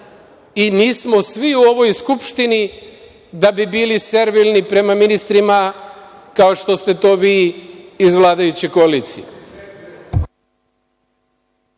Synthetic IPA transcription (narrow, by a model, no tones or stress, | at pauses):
iniːsmo̞sʋiuo̞ʋo̞jskupʃt̪ini | d̪abibiːlise̞ɾʋilnipɾe̞maminist̪ɾima | kao̞ʃt̪o̞st̪e̞t̪o̞ːʋiː | zʋlˠaːd̪ajut͡ɕekoaliːt̪sḭe